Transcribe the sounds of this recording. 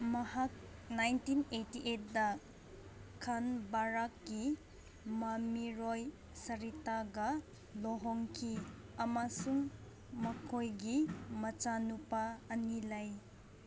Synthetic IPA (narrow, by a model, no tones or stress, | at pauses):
mɐhak̚najntinetiʔet̚dɐ | kʰanbaɾakːi | mamiɾɔj | sɐɾitaɡɐ | lɔɦɔŋkʰiɐmasuŋ | mɐkʰojɡimɐt͡ʃanupaɐnilaj